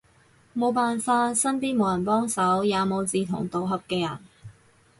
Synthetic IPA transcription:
mo˨˧wpaː˨˩nfaː˧t̚sɐ˥npiː˥nmo˨˧wjɐ˨˩npɔː˥ŋsɐ˨˥wjaː˨˧mo˨˧wt͡siː˨˧t̪ʰʊ̰˨˩ŋt̪o˨wɦɐ˨p̚kɛː˧jɐ̰˨˩n

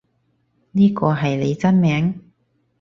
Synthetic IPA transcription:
niː˥kɔː˧ɦɐ˨jle˨˧jt͡sɐ˥nmɛː˨˥ŋ

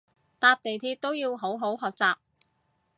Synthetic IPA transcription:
t̪aː˧p̚t̪e˨jt̪ʰiː˧t̚t̪o˥wjiː˧wɦo˨˥wɦo˨˥wɦɔː˨k̚t͡saː˨p̚

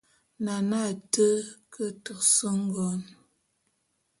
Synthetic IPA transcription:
na˨na˦˨tə˦kə˦tu˨ksə˦ŋ̩˦ɡɔ˨n

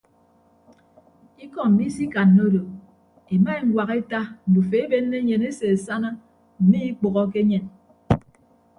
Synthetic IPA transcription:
i˦kɔ˨m̩˨mi˦si˦ka˨nːo˦do˨ | e˨ma˦˨ŋ˦ɡwa˨ɣe˦ta˦n̩˨du˨fe˨e˦be˦nːe˦ɲe˨ne˦se˨e˨sa˦na˦ | m̩˨mi˦i˦k͡po˨ɣɔ˦k̬e˦ɲe˨n

